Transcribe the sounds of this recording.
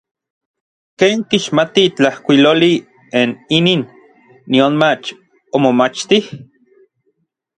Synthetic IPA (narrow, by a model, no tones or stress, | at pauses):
keːŋkiʃmat̪it͡ɬahkʷiloli | eniniːnː | ionmat͡ʃ | omomat͡ʃt̪ih